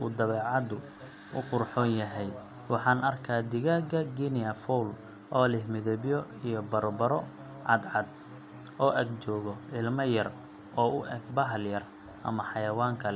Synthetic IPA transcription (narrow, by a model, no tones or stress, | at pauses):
ṵːd̪ɐβɛːʕɑd̪ʊ | ʊ̰qʊrħɔːnjɐɦɛj | wɑħɑːnɐrkʰaːd̪ɪɣaːɡɐɡinɪɐfɔl | ʔɔːlɪhmɪðɛβjɔ | ijɔbɐɾbɐɾɔ | ʕɑd̪ʕɑd̪̚ | ɔːʔɐɡt͡ʃɔːɣɔɪlmɐjɐr | ɔːʊʔɛɡbɐɦljɐr | ʔɐ̰mɐħɑjɐwaːŋkʰɐlɛ